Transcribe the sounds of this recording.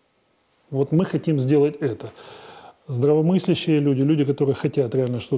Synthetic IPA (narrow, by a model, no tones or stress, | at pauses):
vo̞t̪mɨxɐtʲimzʲdʲelˠətʲɛt̪ə | zd̪ɾəvɐmɨsʲlʲɪɕːɪjəlʲudʲɪlʲʉdʲɪkɐt̪o̞ɾɨjəxɐtʲat̪ɾʲɪalʲnəʂt̪o